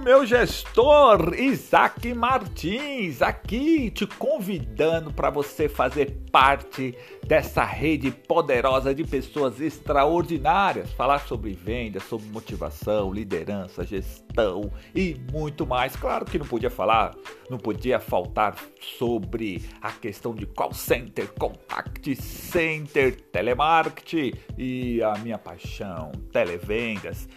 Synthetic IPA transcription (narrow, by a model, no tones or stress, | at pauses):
ʊmewʒest̪oɾizakɪmaɾt͡ʃĩzakit͡ʃɪkõvid̪ɐ̃nʊpɾɐvosefazeɾpaɾt͡ʃɪ | d̪ɛsɐ̰hed͡ʒɪpod̪eɾɔzɐd͡ʒɪpesoɐzest̪ɾaoɾd͡ʒinaɾiɐsfalaɾsobɾɪvẽnd̪ɐsobɾɪmot͡ʃiva̰sɐ̃w̃lid̪ḛɾɐ̃sɐʒest̪ɐ̃w̃ɪmũj̃t̪ʊmajskla̰ɾʊkɪnɐ̃w̃pod͡ʒiɐfalaɾnɐ̃w̃pod͡ʒiɐfawt̪aɾsobɾɪɐkest̪ɐ̃w̃d͡ʒɪkwa̰wsẽnt̪eɾkõpa̰kt͡ʃɪsẽnt̪eɾt̪elemaɾkɪ̥t͡ʃɪɪɐmĩɲɐpa̰jʃɐ̃w̃t̪elevẽnd̪ɐs